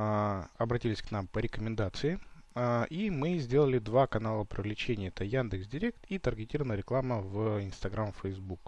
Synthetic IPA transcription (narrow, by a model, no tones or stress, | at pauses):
ɐbɾɐtʲilʲɪsʲknampəɾʲɪkəmʲɪnd̪at̪sɨɪaʔimɨzʲdʲe̞lˠəlʲɪd̪vakɐnalˠəpɾʲɪvlʲɪt͡ɕenʲɪjəɛt̪əjand̪ɨksdʲɪɾʲe̞k̚t̪it̪ərɡʲɪtʲiɾəvənəjɾʲɪklˠaməvɪnst̪ɐɡɾamfəjzbuk